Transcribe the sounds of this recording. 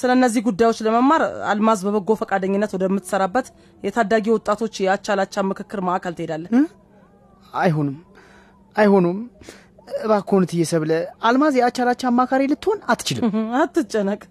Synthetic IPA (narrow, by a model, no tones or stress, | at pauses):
sɨləɨnːəzːihɡud̪ːajwo̞t͡ʃːləməmːaɾa̰lmazbəβəɡːo̞fəkʼad̪əɲːɪnːət̪wɔd̪əmːɨt̪ːsəɾabːət̪ | jɛt̪ʰad̪ːaɡiwɔt̪ʼːat̪ʰo̞t͡ʃːjɛat͡ʃːalat͡ʃːamːɨkʰɨkːɨɾmaʔakʰəlt̪ʰɨhed̪alːə | ajɦonɨm | ajho̞nom | bakʰːonɨt̪ʰɨjːɛsəβləalmazjɛat͡ʃːalat͡ʃːamːakʰaɾilɨt̪ːɨho̞nat̪ːt͡ʃɪlɨ̰mat̪ːɨt͡ʃʼːənəkʼ